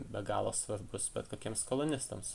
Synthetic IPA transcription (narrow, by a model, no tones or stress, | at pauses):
bʲɛɡɑːlˠoːsʋɐɾbʊsbʲɛt̪koːkʲiɛmskolˠʊnʲɪst̪ɐms